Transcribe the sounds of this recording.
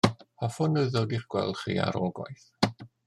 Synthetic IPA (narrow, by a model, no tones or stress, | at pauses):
hʰafʊnːəðowdiχɡ̥wɛlˠdχḭa̰ɾɔlˠɡwɔ̰jθ